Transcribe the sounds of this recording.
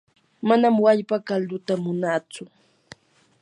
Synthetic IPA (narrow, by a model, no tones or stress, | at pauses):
manamwaʎpakald̪ʊt̪amʊnaːt͡sʊ